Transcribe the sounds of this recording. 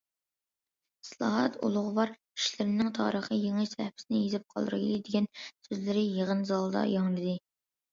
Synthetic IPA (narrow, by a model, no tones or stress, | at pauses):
islˠɑ̰ɦɑt̪ʰṵlˠʊʁʊwɑɾ | i̥ʃlɪɾɪnɪŋt̪ʰɑ̰ːɾəχəjeŋɪʃsɛ̰hpʰɪ̥sɪnɪjezɪp̚qʰɑlˠɾɨ̰d̪ɪɡʲɛnsøzlɪɾɪjeʁənzɑlˠd̪ɑ̰jɑŋlɨd̪ɨ